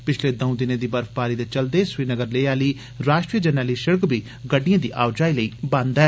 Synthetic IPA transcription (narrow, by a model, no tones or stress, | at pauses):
pɪt͡ʃʰleːd̪ə̃ʊ̃d̪ɪnẽːd̪iːbəɾfpaːɾiːd̪eːt͡ʃəld̪eːswiːnəɡəɾleːaːliː | ɾaːʃʈɾiːəd͡ʒənaːliːʃəɾkbʱiː | ɡəɖːijãːd̪ḭːʔa̰ːwd͡ʒaːiːləiːbãnd̪ɦɛː